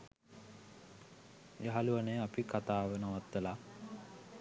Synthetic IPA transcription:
jəɦaluʋanəjapikat̪aːʋənaʋat̪ːəla

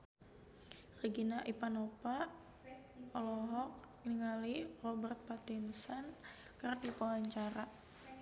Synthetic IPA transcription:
riɡinaʔipanopa | ɔlɔɦɔk̚ | ŋniŋalirobɛrt̪̚pat̪insan | kərdipawaɲt͡ʃaɾa

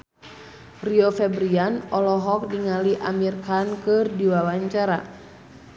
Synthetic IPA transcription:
riɔfɛbɾianɔlɔɦɔk̚diŋaliʔamirkankɨrdiwawaɲt͡ʃaɾa̰

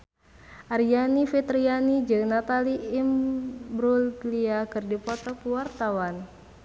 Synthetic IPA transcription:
ʔarjanifit̪ɾianid͡ʒɨŋnat̪aliːmbɾulliakɨrdipɔt̪ɔpuwart̪awan

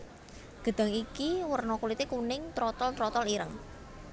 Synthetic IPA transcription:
ɡ̥ə̤d̪̥a̤ŋikiwərnɔkulit̪ekunɪŋt̪ɾɔt̪ɔlt̪ɾɔt̪ɔliɾəŋ

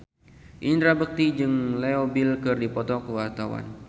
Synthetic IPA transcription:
ʔind̪ɾabək̚t̪id͡ʒɨŋleobilkɨrdipɔt̪ɔkəwart̪awa̰n

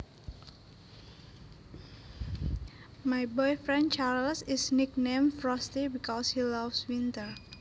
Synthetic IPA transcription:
majbɔjfɹɛ̃nt͡ʃaɹlsɪsnik̚nẽmfɹɔst̪ibikɔshilafswint̪əɹ

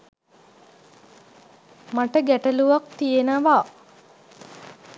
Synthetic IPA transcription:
maʈəɡæʈəluʋak̚t̪ijenəʋa

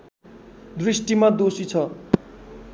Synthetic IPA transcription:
d̪risʈimad̪osit͡sʰʌ

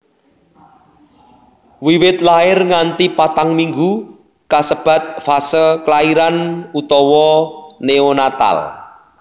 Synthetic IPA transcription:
wiwɪt̪̚laɪrŋant̪ipat̪aŋmiŋɡu | kasəb̥a̤t̪̚fasəklaiɾanut̪ɔwɔneonat̪a̰l

